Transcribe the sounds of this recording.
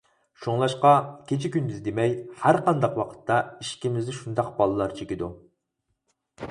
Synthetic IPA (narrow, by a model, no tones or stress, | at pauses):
ʃoŋlˠɑʃqɑkʲʰet͡ʃʰikʲynbɪzd̪emɛjhæɾqɑnd̪ɑqwɑqʰə̥t̪ʰːɑiʃkʲimɪznɪʃund̪ɑq̚bɑlˠɨlˠɑɾt͡ʃʰekʲid̪u